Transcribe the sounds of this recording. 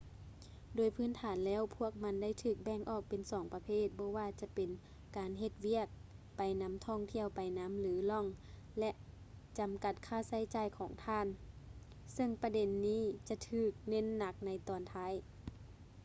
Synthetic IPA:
doː˨˩jpʰɯː˧˥˨nt̪ʰaː˨˦nlɛː˧˥˨wpʰu˧˥˩ək̚ma˧˥˨nda˥˨jt̪ʰɯː˧˩k̚bɛː˧˥˨ŋʔɔː˧˩k̚pe˨nsɔː˨˩˦ŋpa˧pʰeː˧˥˩t̪̚bɔː˧˦waː˧t͡ɕa˧˦pe˨n | kaː˨˩nɦe˧t̪̚wi˧˥˨ək̚pa˨jna˧˥mt̪ʰɔː˧˥˩ŋt̪ʰi˧˥˨əwpa˨jna˧˥mlɯː˨˦lɔ˧˥˨ŋ | lɛ˧ʔ | t͡ɕa˨mka˧˩t̪̚kʰaː˧˥˨sa˧˥˩jt͡ɕaː˧˩jkʰɔː˨˦ŋt̪ʰaː˧˥˨n | sɤ˧˥˨ŋpa˧de˨nːiː˧˥˨t͡ɕa˧t̪ʰɯː˧˩k̚ne˧˥˨nːa˧˥k̚na˧˥jt̪ɔː˨nt̪ʰaː˧˥˨j

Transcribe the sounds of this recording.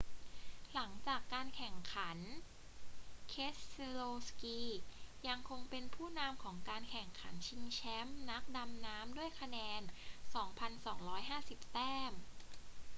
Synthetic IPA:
la˩˦ŋt͡ɕaː˨˩kːaː˧nkʰɛ˨˩ŋkʰa˩˦n | kʰe˦˥sloː˧skiː˧ja˧ŋkʰo˧ŋpe˧npʰuː˥˩na˧mkʰɔː˩˦ŋkaː˧nkʰɛ˨˩ŋkʰa̰˩˦nt͡ɕʰi˧ŋt͡ɕʰɛ˦˥mna˦˥k̚da˧mnaː˦˥mdu˥˩əjkʰa˧nɛː˧nsɔː˩˦ŋpʰa˧nsɔː˩˦ŋɾɔː˦˥jɦaː˥˩si˨˩p̚t̪ɛː˥˩m

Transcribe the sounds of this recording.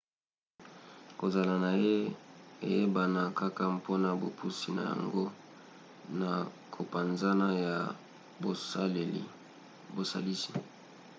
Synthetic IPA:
ko˨za˨la˨na˨je˦ḛ˨je˦ba˨na˨ka˦ka˦pʰo˦na˨bo̰˨pʰu˦si˦na̰˨ja̰˨ŋɡo˦ | na˨ | kʰo˨pa˨nza˦na˦ja˨ | bo˨sle˨lḭ˨ | bo˨sa̰˨li˦si̥˨

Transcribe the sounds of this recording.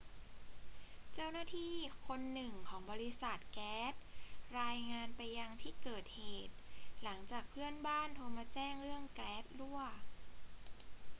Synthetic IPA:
t͡ɕa˥˩wnaː˥˩t̪ʰiː˥˩kʰo˧nːɯ˨˩ŋkʰɔː˩˦ŋbɔː˧li˦˧˥sa˨˩t̪̚kɛː˨˦˥t̪̚ɾaː˧jŋaː˧npa˧jːa˧ŋt̪ʰiː˥˩kɤː˨˩t̪̚heeː˨˩t̪̚la˩˦ŋt͡ɕaː˨˩k̚pʰɯ˥˩ənbaː˥˩˨nt̪ʰu˧ɐmaː˧t͡ɕɛː˥˩ŋɾɯ˥˩əŋkɾɛː˦˥t̪̚lu˥˩ə

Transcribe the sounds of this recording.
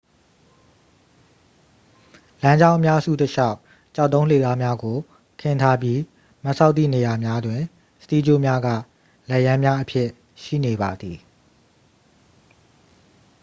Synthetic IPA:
lã˦ɲd͡ʑã˦ʊ̃ʔəmja˦ʔəzṵ˦˨təʃa˦ʊ | t͡ɕa˦ʊt̪ːõ˦ʊ̃l̥e˨za˦mja˦ɡo˨ | kʰɪ̃˨ntʰa˦bji˦ | ma˦ʔsʰa˦ʊt̪ːḭ˦˨ne˨ja˨mja˦dwɪ̃˨ | sə̥t̪i˦d͡ʑo˦˨mja˦ɡa̰˦˨ | lɛ˦˨jã˦mja˦ʔəpʰjɪ˦˨ | ʃḭ˦˨ne˨ba˨d̪i˨

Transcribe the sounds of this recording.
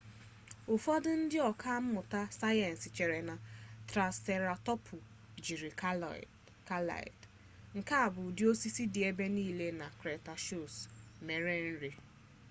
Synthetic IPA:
ʊ˨fɔ˦dʊ˦n̩˦dɪ˦ɔ˨ka˦m̩˦mʊ˨ta˦sa˦jɛ˨n̩˨sɪ˨t͡ʃe˨ɾe˨na˨tɾa˨se˨ɾa˨tɔ˦pʰʊ˨ | d͡ʒi˨ɾi˨k | ka˦la̰˨ɪ̰˨d | ŋ̩˨ka˦a˨bʊ˨di˦o˦si˦si˦di˨e˦be˦niː˦˨le˦na˨kɾe˨ta˨ʃu˦˨sme˨ɾe˦n̩˦ɾi˨

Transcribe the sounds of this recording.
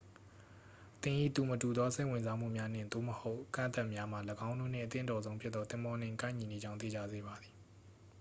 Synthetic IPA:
t̪ɪ̃˨ʔḭ˦˨t̪u˨mətu˨d̪ðɔ˦se˦ɪ̃˨wɪ̃˨nza˦m̥ṵ˦˨mja˦n̥ɪ̰̃˦˨nt̪o̰˦˨məho˦ʊʔkã̰˦˨nt̪a˦˨ʔmja˦m̥a˨ləɡã˦ʊ̃ndo̰˦˨n̥ɪ̰̃˦˨ʔət̪ɪ̰̃˦˨ntɔ˨zõ˦ʊ̃pʰjɪ˦t̪t̪ːɔ˦t̪ɪ̃˦mbɔ˦n̥ɪ̰̃˨kã̰˦ɪ̃ɲi˨ne˨d͡ʑã˦ʊ̃nt̪ḛ˦˨d͡ʑa̰˦˨ze˦˨ba˨d̪i˨

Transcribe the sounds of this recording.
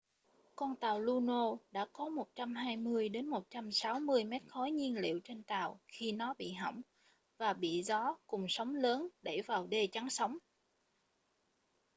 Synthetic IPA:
kɔ˧nt̪aː˨˩wlu˧no˧ɗa̰ː˧˥kɔ˨˦mo˨˩t̚t͡ɕa˧mɦaː˧jmɨ˧əjɗe˨˦nmo˨˩t̚t͡ɕa˧msa˨˦wmɨ˧əjmɛ˦˥t̚xɔ˨˦jɲi˧ənlḭ˧˨əwt͡ɕe˧nt̪aː˨˩wxi˧nɔ˨˦ɓḭ˧˨ɦɔ̰˧˩wŋ͡m | vaː˨˩ɓḭ˧˨zɔ˨˦kʊ˨˩ŋ͡msə˨˦wŋ͡mləː˨˦nɗe˧˩vaː˨˩wɗe˧t͡ɕa˨˦ŋsə˨˦wŋ͡m

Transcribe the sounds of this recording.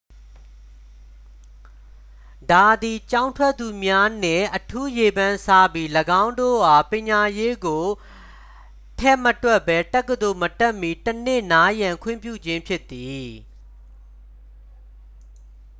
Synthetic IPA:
da˨d̪i˨t͡ɕã˦ʊ̃ntʰwɛ˦t̪ːu˨mja˦n̥ɪ̰̃˦˨ʔətʰu˦je˨bã˨nsa˦bji˦ləɡã˦ʊ̃ndo̰˦˨ʔa˨pɪ̃˨ɲa˨je˦ɡo˨ | tʰɛ˦˨mətwɛ˦ʔbɛ˦tɛ˦kːəd̪o˨mətɛ˦ʔmi˦tən̥ɪ˦˨na˦jã˨ŋkʰwɪ̰̃˦˨mpjṵ˦˨d͡ʑɪ̃˦mpʰjɪ˦ʔt̪ːi˨

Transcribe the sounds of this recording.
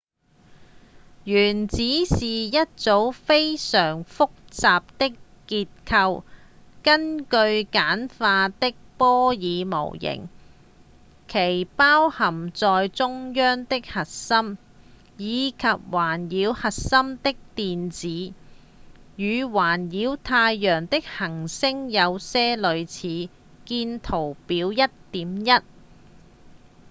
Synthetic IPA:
jyː˨˩nt͡siː˨˥siː˨jɐ˥t̚t͡so˨˥wfe˥jsœː˨˩ŋfʊ˥k̚t͡saː˨p̚t̪ɪ˥k | kiː˧t̚kʰɐ˧w | kɐ˥nkɵ˧ɥkaː˨˥nfaː˧t̪ɪ˥k̚pɔː˥jiː˨˧mo̰˨˩wjɪ̰˨˩ŋ | kʰe˨˩jpaː˥whɐ˨˩mt͡sɔː˨jt͡sʊ˥ŋjœː˥ŋt̪ɪ˥k̚hɐ˨t̚sɐ˥m | jiː˨˧kʰɐ˨p̚waː˨˩njiː˨˧whɐ˨t̚sɐ˥mt̪ɪ˥k̚t̪iː˨˧nt͡siː˨˥ | jyː˨˧waː˨˩njiː˨˥wt̪ʰaː˧jːœː˨˩ŋt̪ɪ˥k̚hɐ˨˩ŋsɪ˥ŋjɐ˨˧wsɛː˥lɵ˨˧ɥt͡sʰiː˨˥ | kiː˧nt̪ʰo˨˩wpiː˨˧˥wjɐ˥t̚t̪iː˨˥mjɐ˥t̚

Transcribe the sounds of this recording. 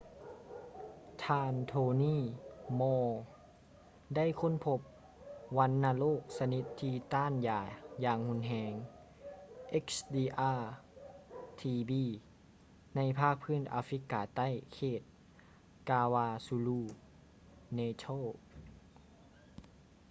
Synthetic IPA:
t̪ʰaː˧nt̪ʰoː˧niː˥˨mɔː˧ | da˥˨jkʰo˧˥˨npʰo˧˦p̚ | ʋa˧˥nːaː˧loː˥˩k̚sa˧ni˧˥t̪ʰːiː˧t̪aː˧˥˨njaː˨˩jaː˧ŋhu˧˥nɦɛː˧ŋ | ʔe˦˥k̚sdiː˧ʔaː˧ | t̪ʰiː˧biː˧ | na˧˥jpʰaː˥˩k̚pʰɯː˥˨nʔa̰ː˧fɾi˧˦˥kaː˨˩t̪a˥˩˨jkʰeː˧˩t̪̚ | kaː˧waː˧su˧luː˧˩ | neː˧t̪ʰo˥˨

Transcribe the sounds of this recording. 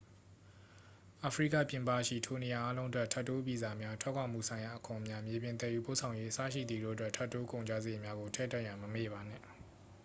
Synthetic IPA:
ʔa˨pʰəɹḭ˦˨kä̰˦˨pjɪ̃˨mpa˦˨ʃḭ˦˨tʰo˨ne˨ja˨ʔa˦lõ˦ʊ̃ntwɛ˦tʰɛ˦tːo˦pi˨za˨mja˦tʰwɛ˦ʔkʰwã˨m̥ṵ˦˨sʰã˨ɪ̃ja˨ʔəkʰʊ̃˨mja˦mje˨bjɪ̃˨nt̪ɛ˦˨ʔjṵ˦˨po˦˨ʔsʰã˨ʊ̃je˦ʔəsa̰˦˨ʃḭ˦˨d̪i˨do̰˦˨ʔətwɛ˦˨tʰɛ˦tːo˦kõ˨ʊ̃ɲd͡ʑa˦ze˨mja˦ɡo˨tʰɛ̰˦˨ta˦˨ʔjã˨məmḛ˦˨βa˨n̥ɪ̰̃˦˨

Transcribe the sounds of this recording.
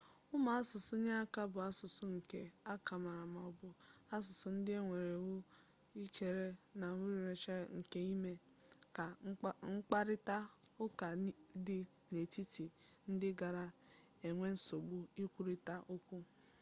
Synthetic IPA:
ʊ˦ma˨a˦sʊ˨sʊ˦ɲa˦a˦ka˦bʊ˨a˦sʊ˨sʊ˦ŋ̩˨ke˦a˦ka˨ma˨ɾa˨ma˨ɔ˨bʊ˦a˦s̬ʊ˨sʊ˦n̩˦dɪ˦e˦ŋʷe˨ɾe˨wʊ˦ | i˦kʰe˨ɾe˦na˨mu˦ɾi˨ɾe˨t͡ʃe˦ŋ̩˨ke˦i˦me˦ | ka˨˦ŋ̩˦k͡pa˦ɾɪ˦ta˦ʊ˦ka˨˦dɪ˦ | ne˨ti˦ti˨ | n̩˦dɪ˦ɡa˨ɾa˦ | e˨ŋʷe˦n̩˦so˨ɡ͡bʊ˦i˦kʷu˦ɾi˦ta˦ʔo˦kʷu˦

